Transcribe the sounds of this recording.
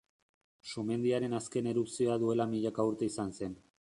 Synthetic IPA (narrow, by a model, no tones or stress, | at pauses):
sume̞nd̪iaɾe̞naske̞ne̞ɾupsio̞aðue̞lamiʎakauɾt̪e̞isanse̞n